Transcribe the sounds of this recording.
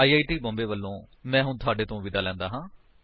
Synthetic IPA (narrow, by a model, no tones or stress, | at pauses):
aːiːaːiːʈiːbɔ̃ːmbeːʋəlːõːmɛ̃ːɦʊɳt̪ʰʊaːɖeːt̪õːʋɪd̪aːlɛ̃ːnd̪aːɦãː